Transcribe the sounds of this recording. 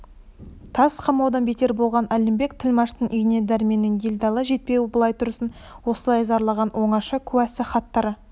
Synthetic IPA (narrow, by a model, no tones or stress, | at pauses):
t̪ʰɑsqʰɑmɑwd̪ɑnbe̞t̪e̞ɾbo̞lˠʁɑnʔælɪmbe̞k̚t̪ʰɪlmɑʃt̪ənʔʏjne̞d̪æɾme̞nɪŋɡʲelʲd̪ɑlˠəʒe̞t̪̚pe̞wɪbəlˠɑjt̪ʰʊɾsən | wo̞səlˠɑjzɑɾlˠɑʁɑnwʔo̞ɴɑʃəkʲʰʉwæsɪχɑt̪ːɑɾə